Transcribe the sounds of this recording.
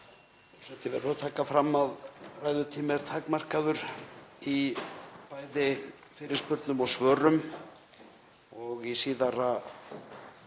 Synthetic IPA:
ɔsɛmt̪ɪvɛɾt̪ʰaːkafɾamːaðrajðʏt̪ʰiːmɪɾ̥t̪ʰaːkmar̥kaðʏɾ̥ipaːjðɪ | fɪːɾɪɾ̥spʏɾt̪nʏmɔɣsvœːɾʏm | ɔɣisiːðaɾa

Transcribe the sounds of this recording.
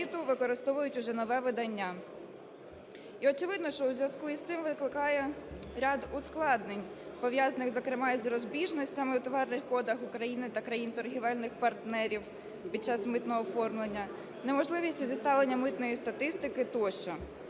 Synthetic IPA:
it̪ʊʋɪkɔɾɪst̪ɔʋʊjʊtʲʊʒɛnɔʋɛʋɪd̪ɐnʲːa | iɔt͡ʃɪʋɪd̪nɔʃt͡ʃɔuzʲʋʲjʲɐskuist̪ɪmʋɪklˠɪkɑjɛɾʲad̪ʊsklˠɑd̪nenʲ | pɔʋʲjazɐnɪɣzɔkɾɪmɑizrɔzbʲiʒnɔsʲtʲɐmɪwt̪ɔʋɑrnɪxkɔd̪ɐxʊkɾɐjinɪt̪ɐkɾɐjint̪ɔrɦʲiʋɛlʲnɪxpɐrt̪nɛɾʲiw | pʲid̚t͡ʃɑsmɪt̪nɔɦɔːfɔrmlˠenʲːɐ | nemɔʒlˠɪʋʲisʲtʲʊzʲist̪ɑlˠenʲːɐmɪt̪nɔjist̪ɐt̪ɪst̪ɪkɪt̪ɔʃt͡ʃɔ

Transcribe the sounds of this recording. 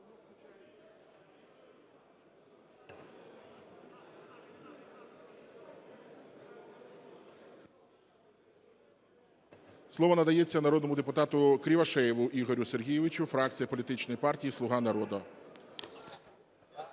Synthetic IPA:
slˠɔʋɔnɐd̪ɐjɛt͡sʲːɐnɐɾɔd̪nɔmʊd̪epʊt̪ɑt̪ʊkɾʲiʋɐʃɛjɪʋʊʔiɣɦɔɾʲʊse̞rɦʲijɪʋɪt͡ʃʊfɾɑk̚t͡sʲijɐpɔlʲit̪ɪt͡ʃnɔjipɑrtʲijislˠʊɦɑnɐɾɔd̪ɔ

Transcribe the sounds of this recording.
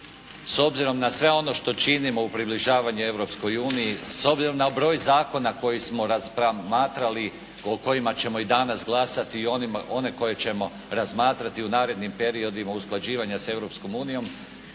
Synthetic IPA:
so̞bziɾo̞mnasʋe̞o̞no̞ʃt̪o̞t͡ʃinimo̞upɾibliʒaːʋaɲue̞ʋɾo̞psko̞juːnijiso̞bziɾo̞mnabɾo̞ːjzaːko̞nako̞jismo̞ɾazpɾamaːt̪ɾali | oko̞jimat͡ɕe̞mo̞id̪anasɡlˠasat̪iːoo̞ne̞ko̞je̞t͡ɕe̞mo̞ | ɾazmaːt̪ɾat̪iunaːɾe̞d̪nimpe̞ɾio̞d̪imausklˠad͡ʑiːʋaɲase̞ʋɾo̞psko̞muːnijo̞m

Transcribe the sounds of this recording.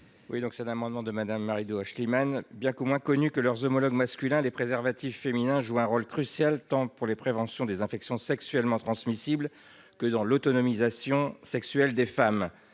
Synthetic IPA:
wid̪ɔ̃ksɛt̪ɛ̃namɑ̃d̪mɑ̃d̪əmad̪amːaʁid̪oaʃlimanbjɛ̃komwɛ̃kɔnykəlœʁzɔmɔlɔɡmaskʲylɛ̃lepχezɛʁvat̪ifːeminɛ̃ʒuɛ̃ʁolkχysjalt̪ɑ̃puʁlepχevɑ̃sjɔ̃d̪ezɛ̃fɛksjɔ̃sɛksɥɛlmɑ̃t̪χɑ̃smisibl | kəd̪ɑ̃lɔt̪ɔnɔmizasjɔ̃sɛksɥɛld̪efam

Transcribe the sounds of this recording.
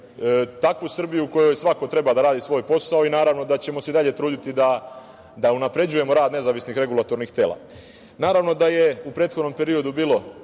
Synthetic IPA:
t̪akʋusr̩bijuuko̞jo̞jsʋako̞t̪ɾe̞bad̪aɾaːd̪isʋo̞ːjpo̞saoinaːɾaʋno̞d̪at͡ɕe̞mo̞seid̪aʎe̞t̪ɾuːd̪it̪id̪a | d̪aunapɾe̞d͡ʑuje̞mo̞ɾaːd̪ne̞zaːʋisnixɾe̞ɡulat̪o̞ɾnixt̪e̞ːlˠa̰ | naːɾaʋno̞d̪aje̞upɾeːt̪xod̪nompe̞ɾio̞d̪ubiːlo̞

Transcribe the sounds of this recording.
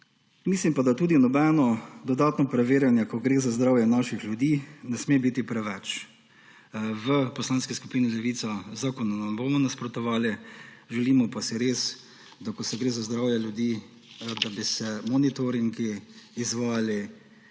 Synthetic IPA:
mislimpad̪at̪uːd̪inɔbɛnɔd̪ɔd̪aːt̪nɔpɾɛʋeːɾjanjɛkɔɡɾeːzazd̪ɾaːwjɛnaʃixljud̪iːnɛsmebit̪ipɾɛʋɛt͡ʃ | ʋəpɔslaːnskisku̥piːnilɛʋiːt̪sazaːkɔnanamboːmɔnaspɾɔt̪ɔʋaːliʒɛliːmɔpasiɾeːs | d̪akɔsɛɡɾeːzazd̪ɾaːwjɛlʲjud̪iː | d̪abisɛmɔnit̪ɔɾiŋɡiːzʋaːli

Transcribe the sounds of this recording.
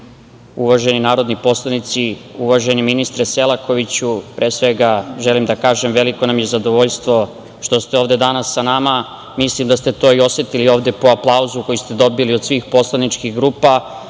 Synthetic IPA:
uʋaʒe̞ninaːɾo̞d̪nipo̞slˠanit̪siuʋaʒe̞niminist̪ɾese̞lˠako̞ʋit͡ɕupɾʔe̞ːsʋe̞ɡaʒe̞limd̪akaːʒe̞mʋe̞liko̞namje̞zad̪o̞ʋo̞ʎst̪ʋo̞ | ʃt̪o̞st̪eo̞ːʋd̪e̞d̪anasːanama | mislimd̪ast̪e̞t̪o̞ːio̞se̞t̪ilio̞ʋd̪e̞po̞aplˠauzuko̞jist̪e̞d̪o̞biliod̪sʋiːxpo̞slˠanit͡ʃkiɣɡɾuːpa

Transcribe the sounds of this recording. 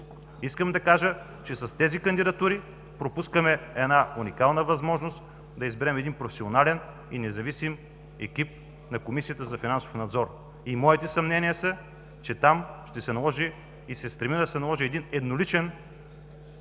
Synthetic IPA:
iskəmd̪ɐkaʒə | t͡ʃɛsɐst̪ɛzikɐnd̪id̪ɐt̪uɾi | pɾopuskəmɛɛd̪naunikalˠnəvɐzmɔʒnost̪ | d̪ɐizbɛɾɛmɛd̪inpɾofɛ̥sʲionalɛn | ḭnɛzɐvisim | ɛkʲip̚ | nɐkomisijət̪əzɐfinanso̥fnɐd̪zɔɾ | imɔit̪ɛsɐmnɛnijəsɐ | t͡ʃɛt̪amʃt̪ɛsɛnɐlˠɔʒi | isɛst̪ɾɛmid̪ɐsɛnɐlˠɔʒiɛd̪inɛd̪nolit͡ʃɛn

